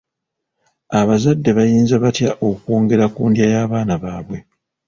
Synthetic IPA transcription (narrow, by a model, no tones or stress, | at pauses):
aβazadːe̞βajiːnzaβatjaʔo̞kwo̞ːŋɡe̞ɾakuːndjajaːβaːnaβaːβwe̞